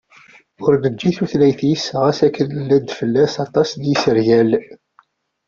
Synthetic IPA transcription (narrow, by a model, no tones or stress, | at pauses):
ʊɾnəd͡ʒːiθuθlæjθjəsːʁæsækːənəlːæd̪fəlːæsɑt̪ˤɑsd̪jisəɾjæl